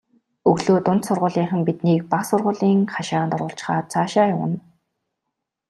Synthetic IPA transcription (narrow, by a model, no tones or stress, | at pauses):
ɵɣɮoːt̪ʊn̥t̪sʊrʁʊːɮiːɴχə̆mpit̪niːk̚paχsʊrʁʊːɮiːŋχaʃaːnt̪ɔrʁʊ̆ːɬt͡ɕχaːt͡sʰaːʃaːjʊwə̆n